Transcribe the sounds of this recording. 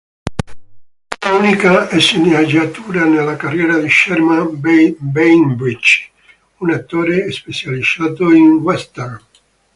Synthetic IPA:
unikaɛsiniad͡ʒat̪uːɾanelːakarːjɛːɾad̪iʃɛɾma | bejnbɾit͡ʃ | unat̪ːoːɾespet͡ʃalisaːt̪oinwɛst̪ɛr

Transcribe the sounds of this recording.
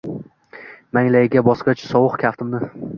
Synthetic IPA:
maŋlajɪɡʲabɒsqɑt͡ʃʰsɒwʊqkʲʰaft̪ʰɪmnɪ

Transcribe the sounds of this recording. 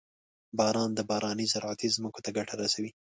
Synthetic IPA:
bɑɾɑnd̪əbɑɾɑnəzaɾʕat̪ʰizməkot̪aɡaʈʰaɾasawi

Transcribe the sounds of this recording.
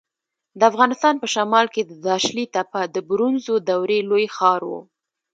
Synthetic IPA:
d̪əafɣɑnɪst̪ɑnpəʃamɑlked̪əd̪ɑʃlit̪apad̪əbɾunzod̪awɾelojxɑɾwṵ

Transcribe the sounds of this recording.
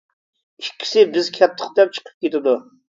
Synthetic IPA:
ikʲʰːi̥sɪbɪzkʲʰɛt̪ʰːə̥χd̪ɛp̚t͡ʃʰə̥qʰə̥p̚kʲet̪ɪd̪u

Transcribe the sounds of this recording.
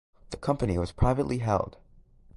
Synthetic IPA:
ðɨkʰʌ̃mpɨniwʌz̥pʰɹ̥aɪvɨʔˡlʔiɦɛ̰lˠd̥

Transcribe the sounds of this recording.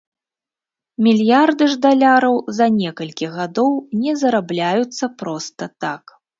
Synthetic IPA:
mʲilʲjard̪ɨʐd̪alʲaɾɐwzɐnʲɛkɐlʲkʲiɣad̪ɔwnʲɛzɐɾablʲajut̪sːɐpɾɔst̪ɐt̪ak

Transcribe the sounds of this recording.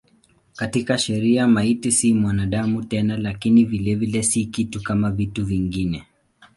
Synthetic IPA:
katikaʃɛɾiamaitisimwanaɗamutɛnalakinivilɛvilɛsikitukamavituviŋɡinɛ

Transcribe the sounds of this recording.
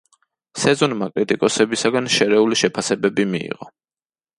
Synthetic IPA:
sɛzɔnmakʼɾit̪ʼikʼɔsɛbisaɡanʃɛɾɛuliʃɛpʰasɛbɛbimiḭʁɔ

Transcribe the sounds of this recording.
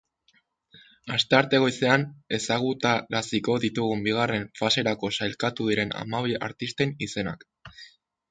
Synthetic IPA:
ast̪e̞aɾt̪e̞ɣo̞jse̞ane̞saɣut̪aɾasiko̞ðit̪uɣumbiɣ̞are̞ɱfase̞ɾako̞sajlkat̪uðiɾe̞na̰maβ̞ia̰ɾt̪ist̪e̞nise̞na̰k

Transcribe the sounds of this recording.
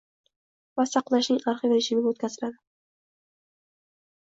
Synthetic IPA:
vasɑqlˠaʃnɪŋaɾχɨveɾɪʃɪmɪɡʲwot̪kʲʰazɪlad̪ɪ

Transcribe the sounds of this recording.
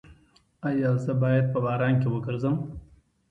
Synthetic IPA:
ajɑzəbɑjad̪̚pəbɑːɾɑnkewəɡəɾzəm

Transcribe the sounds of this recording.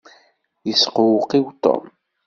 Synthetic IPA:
jəsqʊwʊqiwt̪ˤːo̰m

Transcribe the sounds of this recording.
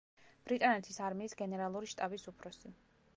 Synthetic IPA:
b̥ɾit̪ʼanɛt̪ʰisaɾmiːsɡɛnɛɾalˠuɾiʃt̪ʼabisupʰɾɔsi

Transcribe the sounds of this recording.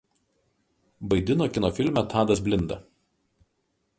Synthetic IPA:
bɐɪd̪ʲɪnoːkʲɪnoːfʲɪlʲmʲɛˑt̪ɑːd̪ɐsbʲlʲɪnd̪ɐ̰

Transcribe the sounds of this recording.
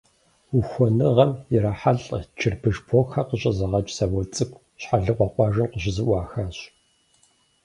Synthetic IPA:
uxʷɔnɨʁɐmjɪɾaħaɮʼt͡ʃʰɪrpʰɨʒpʰoːxɐqəɕʼɐzɐʁɐt͡ʃʼsɐwɔt͡sʼɨɡʷʼ | ɕħaɮɨqʷʼɔqʷɑːʒɨnqʷəʑɪzɨʔʷɑːxaɕʼ

